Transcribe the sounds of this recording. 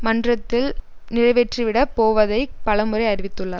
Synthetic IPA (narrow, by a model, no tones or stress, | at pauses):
mɐndrɐt̪ːɪlnɪrɐɪʋɛʈriʋɪɽɐpoːʋɐðɐɪpɐlɐmɯrɐɪɐɾɪʋɪt̪ːɯɭːɐ